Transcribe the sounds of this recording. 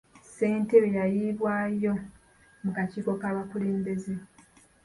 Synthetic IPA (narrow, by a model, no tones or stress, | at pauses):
se̞ːnte̞βejajiːβwaːjo̞ | mukaciːko̞kaːβakule̞ːmbe̞ze̞